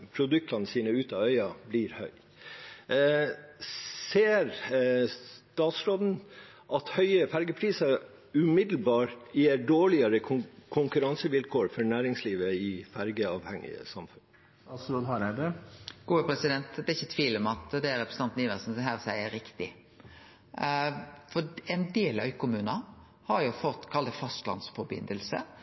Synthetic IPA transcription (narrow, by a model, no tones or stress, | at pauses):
pʰɾʊd̪ʉk̚t̪ɑnəsiːnəʉːt̪ɑœʏɑbliɾhœʏ | seːɾst̪ɑːt̪sɾoːd̪n̩ | ʔɑt̪hœʏəfæɾɡəpʰɾiːsɑ | ʉmɪd̪l̩bɑːɾjeːɖoːɭɪɑɾəkʰʊŋkʉɾɑnsəʋɪlkʰoːɾfɔɾɳæːɾɪŋsliːʋəɪfæɾɡəɑːʋhɛŋɪ̰ə̰sɑmfʉn | sud̪ɑɾæbeɡ̥uːəpʰɾɛsɪd̪ɛnt̪d̪ɛɪçːət̪ʰʋiːlɔmɑt̪d̪ɛæɾɛpʰɾəsəɑnt̪niːʋəsnsɔɦæːɾɔsæɪəɾɪkt̪ɪ | fɔɛnd̪eːlɑɪkʰʊmʉːnɑ | hɑɾjʊfɔt̪ːkʰɑld̪əfɑst̪lɑ̰nsfɔɾbɪ̰nd̪əlsə̰